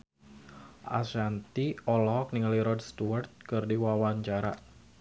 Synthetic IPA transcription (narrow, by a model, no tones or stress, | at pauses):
ʔa̰sant̪iɔlɔɦɔk̚niŋliɾɔdst̪uart̪̚kɨrdiwawaɲt͡ʃaɾa̰